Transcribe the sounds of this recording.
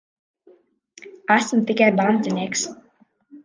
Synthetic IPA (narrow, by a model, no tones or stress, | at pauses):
æsmt̪ikajband̪zʲinʲiɛks